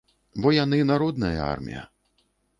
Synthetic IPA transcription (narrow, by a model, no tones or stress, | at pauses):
bɔjanɨnaɾɔd̪̚nɐjɐ̰a̰rmʲḭjɐ̰